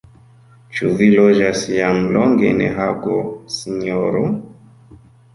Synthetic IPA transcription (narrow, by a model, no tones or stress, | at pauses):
t͡ʃuvilɔd͡ʒasijamlɔŋɡɛ̰nɛ̰ɦaɡɔsiɲɔɾu